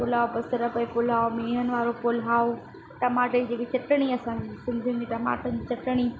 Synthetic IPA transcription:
pʊlaːobɐsəɾɐpɐpʊlaːomeːɦənɪ̆ʋaːɾopʊlɦaːo | ʈɐmaːʈed͡ʑeːkit͡ɕɐʈəɽ̃iɐsãːɲd͡ʑiːsɪ̃nd̪ʱijũnd͡ʑiːʈɐma̰ːʈənɪd͡ʑit͡ɕɐʈəɽ̃i

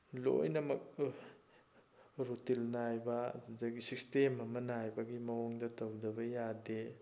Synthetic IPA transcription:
lo̰jnɐmɐk̚ | ɾutilnajbɐɐ̰dudɐɡisistemɐmɐnajbɐɡimɐwoŋdɐtɐwdɐbɐjade

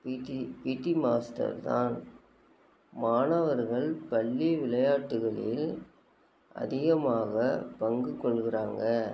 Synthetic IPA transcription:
pipiːʈːimaːsʈɐ̰ɾt̪a̰ːn | maːnɐʋɐɾɣɐɭpɐɭːiʋɪlɐjaːʈːɯɣɐɭɪl | ʔɐ̰ðɪɣɐmaːɣɐpɐŋɡɯkːɔɭɣɪɾaːŋɡɐ

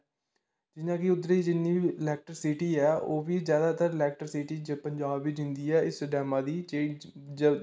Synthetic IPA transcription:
d͡ʒɪnãːkɪʊd̪ɾeiːd͡ʒɪnːiːbiːlɛːk̚ʈəɾsiʈiːɛːʔoːʋiːzjaːd̪aːt̪əɾlɛːk̚ʈəɾsiːʈiːd͡ʒəpəɲd͡ʒaːbʋid͡ʒɪ̃nd̪iːɛːɪsɖɛːmãːd̪iːt͡ʃeː | d͡ʒə

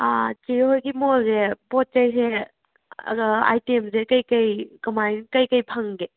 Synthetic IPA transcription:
at͡ʃehojɡimolzepɔt̚t͡ʃɐjse | ɐ̰ɡɐa̰jtemsekɐjkɐjkɐmajnkɐjkɐjpʰɐŋɡe

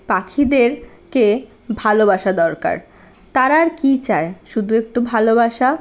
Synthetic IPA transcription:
pakʰid̪eɾ | ke | bʱalobaʃad̪ɔɾka̰ɾ | t̪aɾaɾkit͡ɕaeʃud̪ʱuek̚ʈubʱalobaʃa

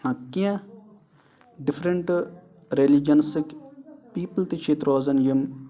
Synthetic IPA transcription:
hɐ̃kːiã | ɖɪfʰɾɐɳʈ | ɾelid͡ʒɐnsikpiːpəlt̪it͡ʃʰit̪ɾoːzɐnjɐm

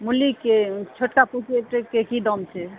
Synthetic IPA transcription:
mulikːet͡ʃʰoʈkapukeʈekːekid̪ɔmt͡ʃʰe

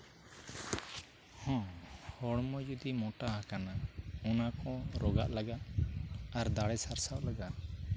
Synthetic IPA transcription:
hɔ̃hɔɽmɔd͡ʒud̪imɔʈahakanaɔnakɔ̃ɾɔɡa̰ʔlaɡaʔ | aɾd̪aɽɛsaɾsaʔlaɡaʔ

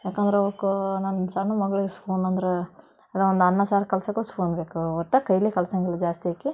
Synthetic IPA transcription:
jaːkɐnd̪ɐɾeɐʋɐkunɐnsɐɳːumɐɡɐɭiɡespʰoːnɐnd̪ɐɾe | ɐd̪ɐond̪ɐnːɐsaːɾɐkɐlɐsɐkːuspʰoːnbeːkuɔʈːɐkɐjɐlikɐlɐsɐŋɡɭɐlːid͡ʒaːst̪iɦaːkːi

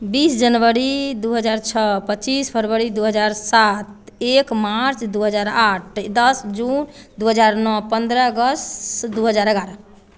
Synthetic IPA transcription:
bisd͡ʒənʋəɾid̪uɦəd͡ʒaɾt͡ʃʰɔpət͡ʃispʰəɾʋəɾid̪uɦəd͡ʒaɾsat̪̚ekmaɾt͡ʃʰd̪uɦəd͡ʒaɾaʈ̚ʰd̪əsd͡ʒund̪uɦəd͡ʒaɾnɔpənd̪ɾəɡəstd̪uɦəd͡ʒaɾəɡaɾə

